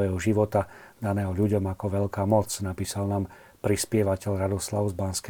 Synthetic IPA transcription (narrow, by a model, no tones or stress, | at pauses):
ɛɦɔʒiʋɔt̪ad̪anɛːɦɔʎuɟɔmakɔʋɛʎkaːmɔt͡snapiːsalnaːm | pɾispɪɛʋacɛʎɾad̪ɔslaʊzbanskɛ